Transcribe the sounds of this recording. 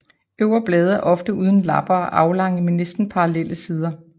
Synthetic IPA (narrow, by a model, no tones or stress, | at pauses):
øʊ̰ɐb̥lɛːð̞ˠɐʔɒ̽fd̥əuːð̞ˠən̩lɑ̈b̥ɐːʔɑ̈ʊlɑ̈ŋ̰əmenesd̥n̩pʰɑ̈ɑlel̰əsiːð̞ˠɐ